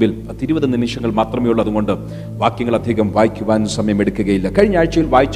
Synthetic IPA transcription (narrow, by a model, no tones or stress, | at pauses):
bil | t̪iɾubɐðɨnːiniʂɐŋːɐɭmaːt̪rɐmeːjuɭːɐðuɣo̞ɳɖɨ | ʋaːkjɐŋːɐɭɐd̪ʱjeːɣɐmʋaːjikʲːuʋaːnenːusɐmɐjɐme̞ɽukːuɣɐjilːɐkɐɻiɲːaːɻt͡ɕːɐjilʋaːjit͡ɕː